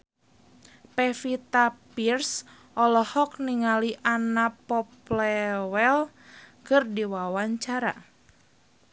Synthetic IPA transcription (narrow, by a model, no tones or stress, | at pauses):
pɛfit̪apirs | ʔɔlɔhɔk̚niŋaliʔanapɔplɛwɛl | kɨrdiwawaɲt͡ʃaɾa̰